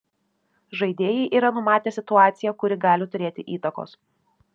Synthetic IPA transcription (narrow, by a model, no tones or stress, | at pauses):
ʒɐɪd̪ʲeːjɛɪʔiːɾɐnʊmɑːt̪ʲeːsʲɪt̪ʊɑːt̪sʲɪjɛkʊɾʲɪɡɑːlʲɪt̪ʊɾʲeːt̪ʲɪʔiːt̪ɐko̰ːs